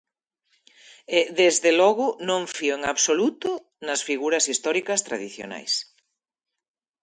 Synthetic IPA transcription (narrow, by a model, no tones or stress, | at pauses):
ɛðezðelɔɣʊnõɱfioeŋaβsolut̪ʊ | nɐsfiɣuɾɐsist̪ɔɾikɐst̪ɾa̰ðiθjo̰na̰js